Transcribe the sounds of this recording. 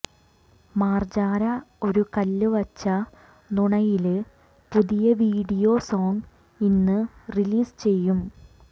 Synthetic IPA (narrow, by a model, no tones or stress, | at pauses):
maːrd͡ʑaːɾɐo̞ɾukɐlːɨʋɐt͡ɕːɐ | nuɳɐjil | puðijɐʋiːɽijo̞ːsoːŋɡ | inːɨriliːst͡ɕe̞jːum